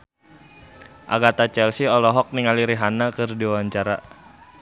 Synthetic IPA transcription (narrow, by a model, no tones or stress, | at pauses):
ʔa̰ɡat̪at͡ʃɛlsiɔlɔɦɔk̚niŋaliɾiɦanakɨrdiawaɲt͡ʃaɾa